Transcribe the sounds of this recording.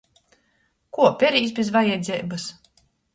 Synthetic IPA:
kuɔpʲɛɾiːs̬bʲezvajɛd̪zʲɛːbas

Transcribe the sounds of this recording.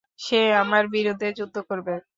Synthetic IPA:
ʃeamaɾbiɾod̪ʱːed͡ʑud̪ʱːokoɾbe

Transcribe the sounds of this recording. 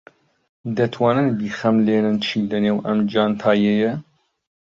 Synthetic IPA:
d̪ɐt̪ʰwɑːnɨnbiːxɐmleːnɨnt͡ʃʰiːlɐneːwʔɐmd͡ʒɑːnt̪ʰaːjɛjɐ

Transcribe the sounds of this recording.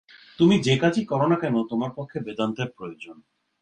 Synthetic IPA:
t̪umid͡ʑekat͡ɕʰikɔɾonakɛnot̪omaɾpɔkʰːebed̪ant̪eɾpɾojod͡ʑon

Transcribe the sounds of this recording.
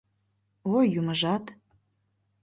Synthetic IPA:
ojuməʒɑt̪

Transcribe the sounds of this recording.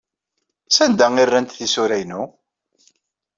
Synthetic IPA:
sænd̪æŋirːænt̪θisuɾæjnu

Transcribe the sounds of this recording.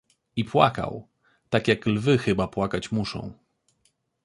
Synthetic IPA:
ipwa̰ka̰w | t̪akʲjaklvɘxɘbapwakat͡ɕmuʂɔ̰̃w̃

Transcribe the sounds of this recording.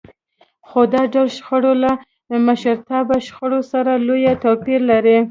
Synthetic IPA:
xod̪ɑɖalʃxaɽola | maʃaɾt̪ɑbaʃxaɽosaɾalojat̪opiɾlaɾi

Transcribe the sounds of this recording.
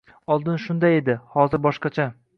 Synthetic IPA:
ɒlˠd̪ɪnʃʊnd̪aje̞d̪ɪhɒzɪɾbɒʃqɑt͡ʃʰa

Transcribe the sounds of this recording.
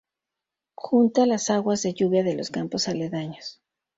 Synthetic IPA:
xunt̪alasaɣwazðe̞ʝuβjaðe̞lo̞skampo̞saleðaɲos

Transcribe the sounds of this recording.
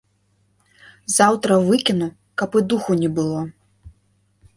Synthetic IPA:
zawt̪ɾɐvɨkʲinu | kɐpɨd̪uxunʲɛbɨlˠɔ

